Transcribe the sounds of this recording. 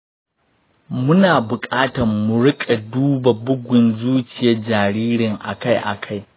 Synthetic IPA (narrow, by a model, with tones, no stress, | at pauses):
mʊ˦naː˨bʊ˨kʼaː˦tɐ˨mʊ˨ɽʊ˦kʼa˨duː˦ba˨bʊ˦ɡʷʊ˨nzuː˦t͡ʃɪ˨jɐ˦d͡ʒaː˨ɽiː˦ɽɪ˨ŋʔa̰˨ka˦jʔa̰˨kʰa˦˨j